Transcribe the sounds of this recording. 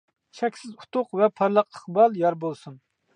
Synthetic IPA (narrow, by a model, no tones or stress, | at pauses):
ʃʰɛkʲsɪzu̥t̪ʊqvɛpʰɑɾlˠəqəχbɑlˠjɑɾbolˠsun